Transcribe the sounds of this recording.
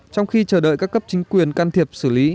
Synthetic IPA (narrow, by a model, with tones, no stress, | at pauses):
t͡ɕɔ˧wŋ͡mxi˧t͡ɕəː˧˩ɗə̰˧˨jkaː˦˥kːə˦˥p̚t͡ɕï˨˦ŋ̟kwi˨˩ənkaː˧nt̪ʰi˨˩əp̚sɨ˧˩li˨˦